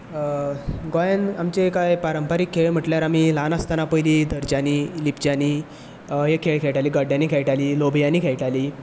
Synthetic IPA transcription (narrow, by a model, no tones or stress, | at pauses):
ɡojənamt͡ɕekajpaɾəmpaɾikʰːeɭm̤əʈljaɾam̤iːlanast̪anapəjliːd̪əɾd͡ʑaniːlipd͡ʑaniː | ɦekʰeɭkʰeʈaliːɡəɖʱjaniːkʰejʈaliːlobʱjaniːkʰejʈaliː